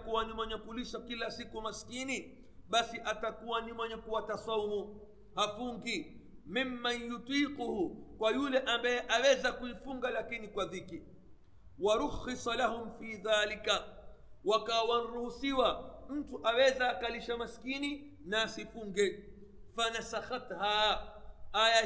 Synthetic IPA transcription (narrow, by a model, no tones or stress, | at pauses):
kuwanimwɛɲɛkuliʃakilasikumaskini | ɓasiʔatakuwanimwɛɲɛkuwatasɔumu | hafuŋɡimimːanjut̪iːquhukwajulɛʔambajɛʔawɛzakuifuŋɡalakinikwaðiki | waɾuxisalaɦʊmfiːðaːlikawakawan̩ɾuhusiwam̩tuʔawɛzaːkaliʃamaskini | naːsifuŋɡɛ | fanasaxat̪ha | aja